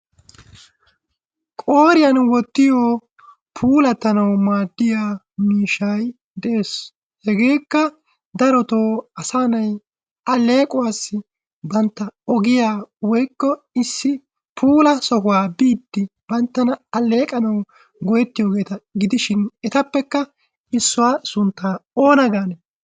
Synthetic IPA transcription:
kʼoːɾɪjɐnwɔt̪ːɪjoː | pʰuːlɐt̪ːɐnɐwmaːd̪ːɪjaː | miːʃɐj | d̪ɛʔeːs | hɛɡe̞ːkːɐ | d̪ɐɾɔt̪oːɐsaːnɐj | ɐlːe̞ːkʼʊwaːsːɪ | bɐnt̪ːɐɔɡɪjaːwɔjkːɔ | ɪsːɪ | pʰuːlɐsɔhʊwaːbiːd̪ːɪb̥ɐnt̪ːɐnɐɐle̞ːkʼɐnɐw | ɡɔjɛt̪ːɪjo̞ːɡe̞ːt̪ɐɡɪd̪ɪʃɪnɛt̪ɐpːɛkːɐ | ɪsːʊwaːsʊnt̪ːaːo̞ːnɐɡaːnɛ

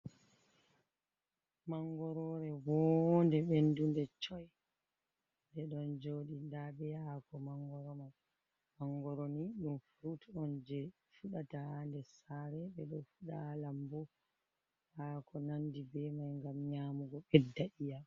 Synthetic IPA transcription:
maŋɡɔɾɔɾɛwɔndɛɓendundɛt͡ʃɔj | ndɛɗɔnd͡ʒoːɗindabɛakɔmaŋɡɔɾɔman | maŋɡɔɾoniɗumfɾutɔnd͡ʒɛ | fuɗatahandɛsaɾɛɓɛɗɔfuɗalambɔ | hakʰɔnandibɛmajŋɡamɲaːmuɡɔɓɛdːaʔija

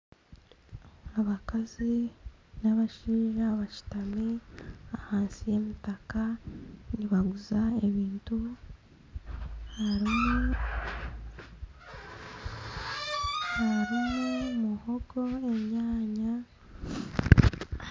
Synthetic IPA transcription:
aβakazinaβaʃiːʒaβaʃi̥tameahaːnsije̞mitakaniβaɡuzae̞βiːntu | haɾim | haɾimumuho̞ɡo̞e̞mɲaːɲa

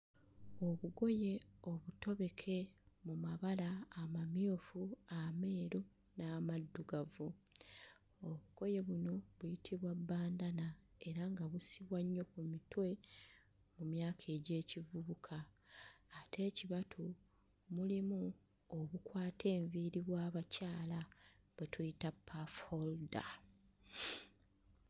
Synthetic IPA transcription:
o̞βuɡo̞je̞o̞βuto̞βe̞kʰe̞mumaβalaːmamjofuame̞ːɾu | naːmadːuɡavu | oβuɡ̥o̞je̞βuno̞βujitʰiβwabːaːndana | e̞ɾaŋɡaβusiβwaɲːo̞kumitwe̞ | mumjaːkʰe̞ːɟe̞ːcivuβukʰaː | tʰe̞ːciβatʰu | mulimu | oβukwaːtʰe̞ːɱviːɾiβwaːβacaːla | βwetujitapʰːafolda̰

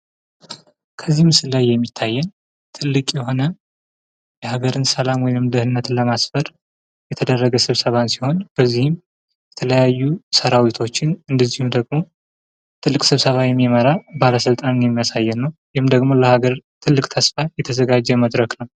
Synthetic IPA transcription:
kʰəzːihmɨsɨlːajːɛmːit̪ʰːajːɛn | t̪ʰɨlːɨkʼjɛɦo̞nə | jɛhaɡəɾɨnsəlamwɔjnɨmd̪ɨhɨnːət̪ləmasfəɾ | jɛt̪ʰəd̪ərːəɡəsɨβsəβansiho̞nb̥əzːihɪm | jɛt̪ʰələjajːusəɾawit̪ʰo̞t͡ʃːɪnɨnd̪əzːihumd̪əɡmo̞ | t̪ʰɨlːɨkʼsɨβsəβajɛmːiməɾabaləsɨlt̪ʼanɨnjɛmːijasajːɛnːəwjɪhɨmd̪əɡmo̞ləhaɡəɾt̪ʰɨlːɨkʼt̪ʰəsfajɛt̪ʰəzəɡad͡ʒːɛməd̪ɾəknəw

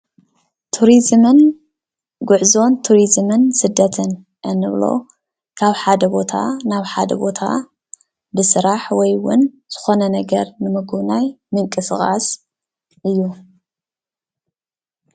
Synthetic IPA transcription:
t̪ʰuɾizmɨn | ɡʊʕzo̞nt̪ʰuɾizmɨnsɨd̪ːɐt̪ʰɨn | ʔɨnːɨβlo̞̰ | kʰaβħad̪ɐbo̞t̪ʰa̰naβħad̪ɐ̰bo̞t̪ʰa̰ | bɨsɨɾaħwɔjwʊ̰n | z̥ɨ̥xo̞nɐnɐɡɐɾnɨmɐɡuβnajmɨŋkʼɨsɨxʼa̰s | ʔɨjːu

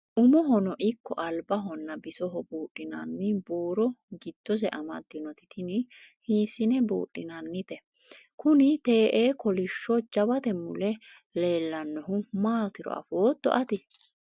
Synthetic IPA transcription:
ʔʊmɔɦɔnɔʔɪkːɔ̰ʔɐlbɐɦɔnːɐbɪsɔɦɔbuːtʼːɪnɐ̰nːɪbuːɾɔɡɪd̪̥ːɔs̬ɛʔɐmɐd̪ːɪnɔt̪ɪ̥t̪ʰɪnɪhiːsɪnɛbṵːtʼːɪnɐnːɪt̪ɛ | kʊnɪt̪e̞ːʔeːkɔlɪʃːɔd͡ʒɐbɐt̪ɛmʊlɛ | le̞ːlːɐnːɔɦʊmaːt̪ɪɾɔ̰ʔɐ̰foːt̪ːɔ̰ʔɐt̪ɪ

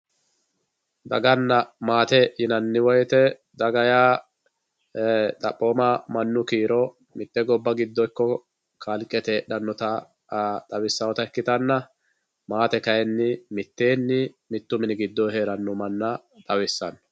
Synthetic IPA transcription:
d̪ɐɡɐnːɐmaːt̪ɛjɪnɐnːɪwɔjt̪ɛ | d̪ɐɡɐjaː | t̪ʼɐpʼːoːmamɐnːʊkiːɾɔ | mɪt̪ːɛɡɔbːɐɡɪd̪ːɔjkːɔ | kʰalkʼːɛt̪ɛɗɐnːɔt̪ɐ | t̪ʼɐwɪsːɐwɔt̪ɐɛkːɪt̪ɐnːɐ | maːt̪ɛkɐjɛnːɪmɪt̪ːeːnːɪ | mɪt̪ːʊmɪnɪɡɪd̪ːɔɦe̞ːɾɐnːʊmɐnːɐ | t̪ʼɐwɪsːɐnːɔ̥

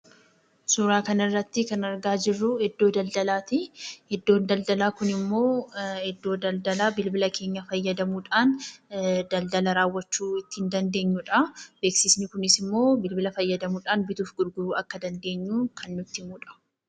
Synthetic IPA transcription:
suːɾaːkɐnɪrːɐt̪ːɪkɐnɐɾɡaːd͡ʒɪrːʊhɛd̪ːo̞ːd̪ɐld̪ɐlaːt̪ɪhɛd̪ːoːnd̪ɐld̪ɐlaːkʊnɪmːo̞ːhɛd̪ːo̞ːd̪ɐld̪ɐlaːbɪlbɪlɐkʰe̞ːɲːɐfɐjːɐd̪ɐmuːᶑaːn | d̪ɐld̪ɐlɐɾaːwːɐt͡ʃːuːɪt̪ːɪhɪnd̪ɐnd̪e̞ːɲːuᶑɐbe̞ːksɪsnɪkʊnɪsɪmːo̞ːbɪlbɪlɐfɐjːɐd̪ɐmuːᶑaːnbɪt̪uːfɡʊɾɡʊɾuːɐkːɐd̪ɐnd̪e̞ːɲːuːkʰɐnːʊt̪ːɪmuːᶑɐ̥

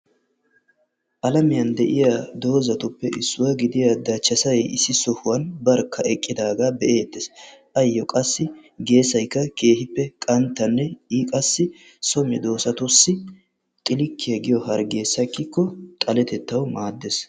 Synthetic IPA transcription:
ʔɐlɐmɪjɐnd̪ɛʔɪjad̪o̞ːzɐt̪ʊpːɛʔɪsːʊwɐɡɪd̪ɪjad̪ɐt͡ʃːɐsɐjɛɪsːɪsɔhʊwɐnbɐɾkʰːɐʔɛkʼːɪd̪aːɡaːbɛʔeːt̪ːɛsʔɐjːɔkʼɐsːɪɡe̞ːsɐjkːɐke̞ːhɪpːɛkʼɐnt̪ːɐnːɛiːkʼɐsːɪ | sɔmɪd̪o̞ːsɐt̪ʊsːɪ | t̪ʼɪlɪkːɪjɐɡɪjɔɦɐɾɡe̞ːsːɐkːɪkːɔt̪ʼɐlɛt̪ɛt̪ːɐwmaːd̪ːes

